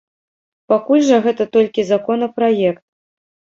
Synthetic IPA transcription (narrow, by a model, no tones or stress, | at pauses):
pakulʲʐɐɣɛt̪ɐt̪ɔlʲkʲizakɔnɐpɾajɛkt̪̚